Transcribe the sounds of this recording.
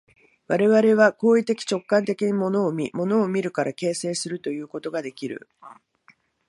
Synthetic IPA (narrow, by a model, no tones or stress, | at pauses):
βaɾe̞βaɾe̞β̞ako̞ːit̪e̞kʲi̥t͡ɕo̞kːãnt̪e̞kʲiɲ̟imo̞no̞ːmʲimo̞no̞ːmʲiɾɯ̟kaɾake̞ːse̞ːsɨɾɯ̟t̪o̞jɯ̟ːko̞t̪o̞ɡad̪e̞kʲiɾɯ̟̰